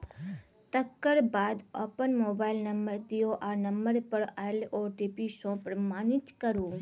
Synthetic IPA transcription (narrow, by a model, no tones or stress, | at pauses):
t̪əkːəɾbaːd̪ɔ̰ːpənmoːbaːɪlnɐmbəɾt̪ioʔaːɾnɐ̃mbəɾpəɽaloːɾʈiːpisõːpɾɐmaːnɪt͡ʃ̪kəɾũː